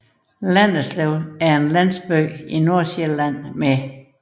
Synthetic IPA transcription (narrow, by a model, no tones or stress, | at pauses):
læn̰ð̩sleʊæɐe̝nlæn̰sb̥ø̰ːino̝ɐ̰ɕelæn̰me